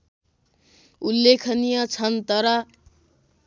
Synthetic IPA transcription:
ulːekʰʌnijʌt͡sʰʌnt̪ʌɾʌ

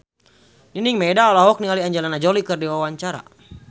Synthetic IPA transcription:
niniŋmɛdaɔlaɦɔk̚nialiaɲd͡ʒalanad͡ʒɔlikɨrdiwawaɲt͡ʃaɾa̰

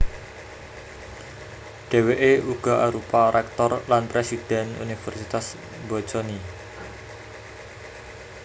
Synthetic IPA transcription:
ɖ̥e̤weʔeuɡ̥ɔ̤ʔaɾupaɾɛk̚t̪ɔrlanpɾesid̥ɛ̤nṵnifɛrsit̪as | bɔt͡ʃɔni

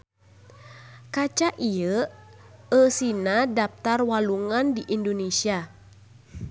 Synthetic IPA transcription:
kat͡ʃaʔiə | əsinadap̚t̪arwaluŋandiʔindonesia

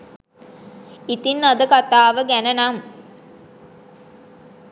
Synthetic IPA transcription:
it̪inːad̪əkat̪aːʋəɡænənam

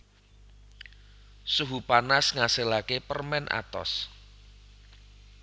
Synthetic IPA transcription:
suɦupanasŋasəlakepərmɛnʔa̰t̪ɔ̰s

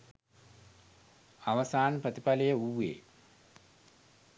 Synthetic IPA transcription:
ɐʋɐsaːnprət̪ipɐlɐjəuːḛː

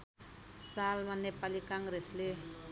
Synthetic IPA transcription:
salmanepalikaŋresle

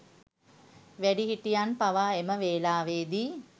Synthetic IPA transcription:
ʋæɖiɦiʈijanpaʋaːeməʋeːlaːʋeːd̪iː

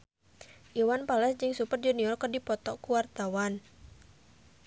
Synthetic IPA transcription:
ʔiwanpalɛsd͡ʒɨŋsupərd͡ʒuniɔrkərdipɔt̪ɔkuwart̪awan

